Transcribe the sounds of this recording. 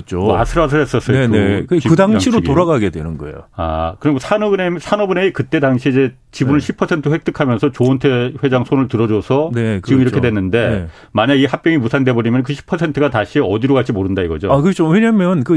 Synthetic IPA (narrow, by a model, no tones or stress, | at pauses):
t͡ɕ͈oma̰sʰɯɾas̬ʰɯɭɦes͈ʌs͈ʌekɯiɯdaŋaiɾotoɾaɡaɡedwenɯnɡʌḛjo̰a̰kɯɾʌiɡosʰanʌnesʰanʌbuneikɯt͈e̞daŋɕʰiːd͡ʑe̞ | t͡ɕibunɯɭɕʰipʰʌsʰentʰɯɸwek̚t͈ɯkʰamjʌnsʰʌt͡ɕoʌntʰeɸwe̞d͡ʑaŋsʰonɯɭtɯɾʌd͡ʑosʰʌnet͡ɕiɡɯmiɾʌkʰewe̞nːɯnde̞ | maɲaɡihak̚p͈jʌŋimusʰande̞bʌɾimjʌnkɯɕʰi̥pʰʌsʰe̞ntʰɯɡataɕʰiʌdiɾokat͡ɕ͈imoɾɯndaiɡʌd͡ʑo̰akɯt͡ɕʰoweɲamjʌnkɯ